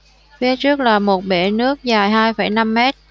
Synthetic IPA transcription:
fi˧˦t͡ɕɨ˦˥ək̚laː˨˩mo˨˩t̚ɓḛ˧˩nɨ˦˥ək̚zaː˨˩jɦaː˧jfə̰˧˩jna˧mːɛ˦˥t̚

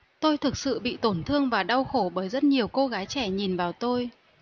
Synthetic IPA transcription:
t̪o˧jt̪ʰɨ˨˩k̚sɨ̰˧˨ɓḭ˧˨t̪o˧˩nt̪ʰɨ˧əŋvaː˨˩ɗa˧wxo˧˩ɓəː˨˦jzə˦˥t̚ɲi˨˩əwko˧ɣaː˨˦jt͡ɕɛ˧˩ɲi˨˩nvaː˨˩wt̪o˧j

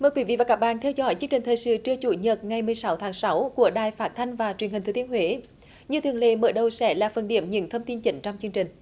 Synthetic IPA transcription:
məː˨jkwi˨˦vḭ˧˨vaː˨˩kaː˦˥k̚ɓa̰ː˧˨nt̪ʰɛ˧wzɔ̰˧˥jt͡ɕi˦əŋt͡ɕï̟˨˩t̪ʰəː˨˩jsɨ̰˧˨t͡ɕɨ˧ət͡ɕu˧˩ɲə˨˩t̚ŋa˨˩jmɨ˨˩əjsa˨˦wt̪ʰaː˨˦ŋsa˨˦wku˧˩əɗaː˨˩jfaː˦˥t̚t̪ʰa˧jŋ̟vaː˨˩t͡ɕwənhi˨˩ŋʰɨ˨˦t̪ənhwe˨˦ | ɲɨ˧t̪ʰi˨˩əlḛ˧˦məː˧˦ɗə˧wsɛ̰˧˥laː˨˩fə˨˩nɗḭ˧˩əmɲḭ˧˨əmt̪ʰə˧wŋ͡mt̪i˧nt͡ɕï˨˦ŋ̟t͡ɕwŋ͡mt͡ɕɨ˧əŋt͡ɕï˨˩ŋ̟

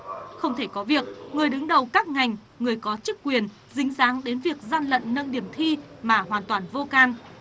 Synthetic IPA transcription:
xə˧wŋ͡mt̪ʰe˧˩kɔ˨˦vi˨˩ək̚ŋɨ˨˩əjɗɨ˨˦ŋɗə˨˩wkaː˦˥k̚ŋa˨˩jŋ̟ | ŋɨ˨˩əjkɔ˨˦t͡ɕɨ˦˥kːwi˨˩ən | zï˨˦ŋ̟zaː˨˦ŋɗe˨˦nvi˨˩ək̚zaː˧nlə̰˧˨nːə˧˨nɗi˧˩əmt̪ʰi˧maː˨˩ɦwaː˨˩nt̪waː˨˩nvo˧kaː˧n

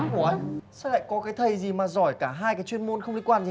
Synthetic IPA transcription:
ku˧˩ə˧˦jsɛ̰˧˥la̰ː˧˨jkɔ˨˦kaː˨˦jt̪ʰə˨˩jzi˨˩maː˨˩zɔ˧˩jkaː˧˩ɦaː˧jkaː˨˦jt͡ɕwi˧ənmo˧nxə˧wŋ͡mli˧kwaː˧nzi˨˩

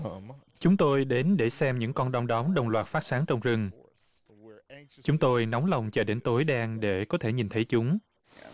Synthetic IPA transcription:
t͡ɕʊ˨˦ŋ͡mt̪o˧jɗe˨˦nɗe˧˩sɛ˧mɲɨ̰˧˥ŋkɔ˧nɗa˧wŋ͡mɗɔ˨˦mɗə˨˩wŋ͡mlwaː˨˩t̚faː˦˥t̚saː˨˦ŋt͡ɕɔ˧wŋ͡mzɨ˧ŋ | t͡ɕʊ˨˦ŋ͡mt̪o˧jnɔ˨˦wŋ͡mla˨˩wŋ͡mt͡ɕɔ˧˩ɗe˨˦nt̪o˨˦jɗaː˧ŋɗe˧˩kɔ˨˦t̪ʰe˧˩ɲi˨˩nt̪ʰə˨˦jt͡ɕʊ˨˦ŋ͡m

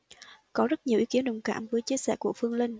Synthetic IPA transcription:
kɔ˨˦zə˦˥t̚ɲ˨˩əwʔi˨˦ki˨˦ənɗə˨˩wŋ͡mka̰ː˧˩˨mvəː˨˦jt͡ɕi˧əsɛ̰ː˧˩ku˧˩əfɨ˧əŋlï˧ŋ

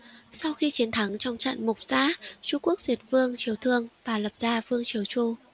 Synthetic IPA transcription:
sa˧wxi˧t͡ɕi˨˦ənt̪ʰa˨˦ŋt͡ɕɔ˧wŋ͡mt͡ɕə̰˧˨nmʊ˨˩k͡p̚z̥a̰ː˧˥t͡ɕu˧ku˦˥ək̚zi˨˩t̚vɨ˧əŋt͡ɕi˨˦əwt̪ʰɨ˧əŋvaː˨˩lə˨˩p̚zaː˧vɨ˧əŋt͡ɕi˨˦əwt͡ɕu˧

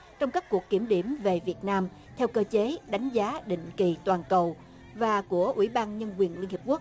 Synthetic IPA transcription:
t͡ɕɔ˧wŋ͡mkaː˦˥k̚kːu˨˩əkːi˧˩əmɗi˧˩əmve˨˩vi˨˩ət̚naː˧m | t̪ʰɛ˧wkəː˧t͡ɕe˨˦ɗa˨˦jŋ̟zaː˨˦ɗḭ̈˧˨ŋ̟ki˨˩t̪waː˨˩nkə˨˩w | vaː˨˩ku˧˩əʔwḭ˧˩ɓaː˧nɲə˧nkwi˨˩ənli˧nhi˨˩p̚ku˦˥ək̚

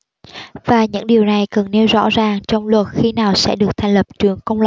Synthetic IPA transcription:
vaː˨˩ɲɨ̰˧˥ŋɗi˨˩əwna˨˩jkə˨˩nne˧wzɔ̰˧˥zaː˨˩ŋt͡ɕɔ˧wŋ͡mlwə˨˩t̚xi˧naː˨˩wsɛ̰˧˥ɗɨ˨˩ək̚t̪ʰa˨˩ŋ̟lə˨˩p̚t͡ɕɨ˧˩əŋkə˧wŋ͡ml

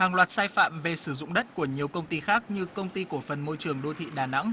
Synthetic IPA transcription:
haː˨˩ŋlwaː˨˩t̚saː˧jfa̰ː˧˨mve˨˩sɨ˧˩zʊ̰˧˨ŋ͡mɗə˦˥t̚ku˧˩əɲi˨˩əwkə˧wŋ͡mt̪i˧xaː˦˥k̚ɲɨ˧kə˧wŋ͡mt̪i˧ko˧˩fə˨˩nmo˧jt͡ɕɨ˨˩əŋɗo˧t̪ʰḭ˧˨ɗaː˨˩na̰˧˥ŋ

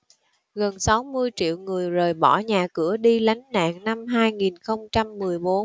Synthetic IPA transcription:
ɣə˨˩nsa˨˦wmɨ˧əjt͡ɕḭ˧˨əwŋɨ˨˩əjzəː˨˩jɓɔ˧˩ɲaː˨˩kɨ̰˧˩əɗi˧la˨˦jŋ̟na̰ː˧˨ŋna˧mɦaː˧jŋi˨˩nxə˧wŋ͡mt͡ɕa˧mːɨ˨˩əjɓo˨˦n

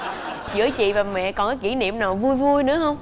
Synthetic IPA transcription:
t͡ɕɨ̰˧˩ət͡ɕḭ˧˨vaː˨˩wmɛ̰˧˨kɔ˨˩nkɔː˨˦jki˧˩nḭ˧˨əmnaː˨˩wvu˧jvu˧jnɨ̰˧˥əhə˧wŋ͡m

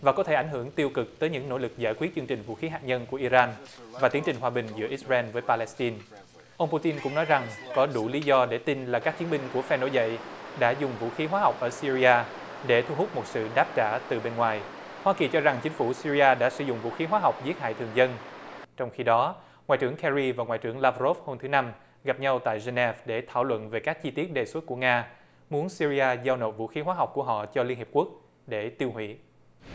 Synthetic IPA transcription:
vaː˨˩kɔ˨˦e˧˩ʔa˧˩jŋ̟ɦɨ˧˩əŋt̪i˧əwkɨ˨˩k̚t̪əː˨˦jɲɨ̰˧˥ŋno̰˧˥lɨ˨˩k̚zaː˧˩jkwi˦˥ət̚t͡ɕɨ˧əŋt͡ɕï˨˩ŋ̟vṵ˧˥xi˨˦ɦaː˨˩k̚ɲə˧nku˧˩əʔi˧zaː˧nvaː˨˩t̪i˨˦əŋt͡ɕï˨˩ŋ̟ɦwaː˨˩ɓï˨˩ŋ̟zɨ̰˧˥əʔi˦˥t̚zɛ˧nvəː˨˦jpaː˧lɛ˨˦˥st̪i˧n | ʔə˧wŋ͡mpu˧t̪i˧nkʊ̰˧˥ŋ͡mnɔ˨˦jza˨˩ŋkɔ˨˦ɗu˧˩li˨˦zɔ˧ɗe˧˩t̪i˧nlaː˨˩kaː˦˥k̚t͡ɕi˨˦ənmɓï˧ŋ̟ku˧˩əfɛ˧no̰˧˥jzə̰˧˨jɗa̰ː˧˥zʊ˨˩ŋ͡mvṵ˧˨xi˨˦ɦwaː˨˦ɦa˨˩wk͡p̚ʔəː˧˩si˧ɾi˧aː˧ | ɗe˧˩t̪ʰu˧ɦʊ˦˥k͡p̚mo˨˩t̚sɨ̰˧˨ɗaː˦˥p̚t͡ɕaː˧˩t̪ɨ˨˩ɓe˧nŋwaː˨˩j | hwaː˧ki˨˩t͡ɕɔ˧za˨˩ŋt͡ɕï˨˦ŋ̟fu˧˩si˧ɾi˧aː˧ɗa̰ː˧˥sɨ˧˩zʊ̰˧˨ŋ͡mvṵ˧˥xi˨˦ɦwaː˨˦ɦa˨˩wk͡p̚zi˦˥ət̚ha̰ː˧˨t̪ʰɨ˨˩əŋzə˧nt͡ɕɔ˧wŋ͡mxi˧ɗɔ˨˦ | ŋwa̰ː˧˨jt͡ɕɨ˧˩əŋkʰɛ˧zi˧vaː˨˩ŋwa̰ː˧˨jt͡ɕɨ˧˩əŋlaː˧vɾo˦˥f̚ho˧mt̪ʰɨ˨˦na˧m | ɣa˨˩p̚ɲa˧wt̪a̰ː˧˨jze˧nɛ˦˥fɗe˧˩t̪ʰaː˧˩wlwə̰˧˨nve˨˩kaː˦˥k̚t͡ɕi˧t̪i˦˥ət̚ɗe˨˩swə˦˥t̚ku˧˩əŋaː˧ | mu˨˦ənsi˧ɾi˧ʔaː˧zaː˧wno̰˨˩t̚vṵ˧˥xi˨˦ɦwaː˨˦ɦa˨˩wk͡p̚ku˧˩əɦɔ̰˧˨t͡ɕɔ˧li˧ənhi˨˩əp̚ku˦˥ək̚ | ɗe˧˩t̪i˧whwḭ˧˨

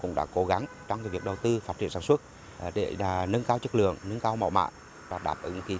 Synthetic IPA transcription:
kʊ̰˧˥ŋ͡mɗa̰ː˧˥ko˨˦ɣa˨˦ŋ | t͡ɕɔ˧wŋ͡mvi˨˩ək̚ɗə˨˩wt̪ɨ˧faː˦˥t̚t͡ɕḭ˧˨əsaː˧nswə˦˥t̚ | ɗḛ˧˩˨nə˧nkaː˧wt͡ɕə˦˥k̚lɨ̰˧˨əŋnə˧nkaː˧wma̰˧˩wma̰ː˧˨j | vaː˨˩ɗaː˨˩p̚ʔɨ˨˦ŋxi˨˦

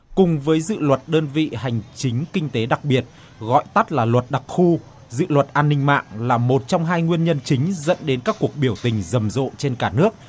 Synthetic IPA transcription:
kʊ˨˩ŋ͡mvəː˨˦jzɨ̰˧˨lwə˨˩t̚ɗəː˧nvḭ˧˨ha˨˩jŋ̟t͡ɕï˨˦ŋ̟kï˧ŋ̟t̪e˨˦ɗa˨˩k̚ɓi˨˩ət̚ | ɣɔ̰˧˨jt̪a˦˥t̚laː˨˩lwə˨˩t̚ɗa˨˩k̚xu˧ | zɨ̰˧˨lwə˨˩t̚ʔaː˧nːï˧ŋ̟ma̰ː˧˨ŋlaː˨˩mo˨˩t̚t͡ɕɔ˧wŋ͡mɦaː˧jŋwi˧ənɲə˧nt͡ɕï˨˦ŋ̟zə̰˧˥nɗe˨˦nkaː˦˥kːu˨˩ək̚ɓi˧˩əwt̪ï˨˩ŋ̟zə˨˩mzo̰˧˨t͡ɕe˧nkaː˧˩nɨ˦˥ək̚

